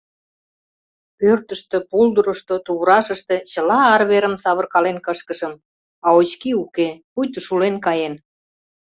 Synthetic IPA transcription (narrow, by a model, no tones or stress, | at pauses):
pørt̪əʃt̪ĕpuld̪əɾə̆ʃt̪ot̪uβɾɑʃəʃt̪ĕt͡ɕəlɑːrβeɾəmsɑβərkɑlenkəʃkəʃəm | ɑot͡ɕkiukepujt̪əʃulenkɑjen